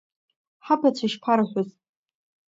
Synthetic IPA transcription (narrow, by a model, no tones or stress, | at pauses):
ħapʰat͡ʃʰaʃpʰaɾaħʷʊz